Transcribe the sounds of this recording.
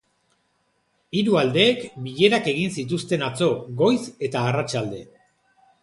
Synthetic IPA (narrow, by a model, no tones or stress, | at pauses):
iɾuald̪e̞ːkbiʎe̞ɾake̞ɣ̞insit̪ust̪e̞nat͡so̞ɣo̞jse̞t̪aːrat͡ʃald̪e̞